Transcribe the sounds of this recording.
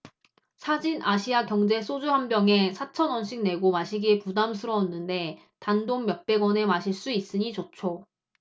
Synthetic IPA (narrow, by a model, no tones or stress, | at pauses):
sʰad͡ʑinʔaɕʰiakjʌŋd͡ʑe̞sʰod͡ʑuɦambjʌŋe̞sʰat͡ɕʰʌnwʌnɕʰiŋne̞ɡomaɕʰiɡepudamsʰɯɾʌːnːɯnde̞ | tandoŋmjʌk̚p͈e̞ɡwʌne̞maɕʰiɭs͈uis͈ɯɲit͡ɕot͡ɕʰo